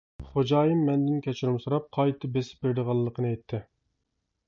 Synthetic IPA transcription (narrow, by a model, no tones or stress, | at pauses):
χod͡ʒɑːjimːɛnd̪ɪnkʲʰɛt͡ʃʰuɾumsuɾɑp̚qʰɑjt̪ʰɨbesɪ̥p̚beɾd̪ɨʁɑlˠːəqʰənɨɛjt̪ʰːɪ